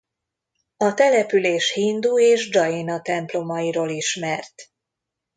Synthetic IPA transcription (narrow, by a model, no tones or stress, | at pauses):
ɒt̪ɛlɛpyleːʃhind̪uːeːʒd͡ʒɒjinɒt̪ɛmplo̞mɒiɾoːliʃmɛrt̪